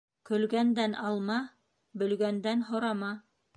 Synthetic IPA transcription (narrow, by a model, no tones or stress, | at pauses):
kɵ̆lɡænd̪ænɑlˠmɑ | bɵ̆lɡænd̪ænɦŏɾɑmɑ